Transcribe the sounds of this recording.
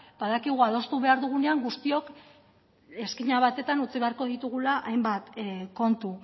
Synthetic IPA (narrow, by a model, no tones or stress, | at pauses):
b̥aðakiɣ̞uað̞o̞st̪uβe̞aɾðuɣ̞une̞aŋɡust̪io̞k | e̞skiɲaβ̞at̪e̞t̪anut͡siβe̞aɾko̞ð̞it̪uɣ̞ulaʔajmbat̪ko̞nt̪u